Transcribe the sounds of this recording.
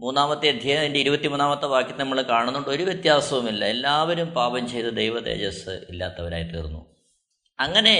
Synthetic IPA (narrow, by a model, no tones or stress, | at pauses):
muːnːaːmɐt̪ːiɐd̪ʱjɐindeiɾubɐt̪ːimuːnːaːmɐt̪ːɐbaːkjit̪nɐmːɐɭkaːɳunːuɳɖo̞ɾuʋjet̪jaːsɐʋumilːɐe̞lːaːʋɐɾumpaːbɐmt͡ɕe̞jt̪ɨd̪ejʋɐd̪ḛd͡ʑɐsɨ̰ilːaːt̪ːɐʋɐɾa̰ːjiʈːirunːṵ | ɐŋːɐne̞